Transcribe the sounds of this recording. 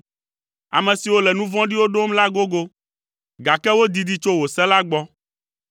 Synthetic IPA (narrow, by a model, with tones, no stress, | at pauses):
a̰˨mɛ̃˨si˨wo˦lɛ˨nũ˦vɔ̃˦ɖi˦wo˦ɖo˦mla˦ɡo˦ɡo˦ | ɡa˨kɛ˦wo˦d̪i˨d̪i˦t͡ʃo˦wo˨sɛ˦la˦ɡ͡bɔ˦